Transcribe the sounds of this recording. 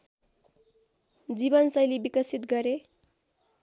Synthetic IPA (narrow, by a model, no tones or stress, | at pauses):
d͡zibʌnsʌjlibikʌsit̪ɡʌɾe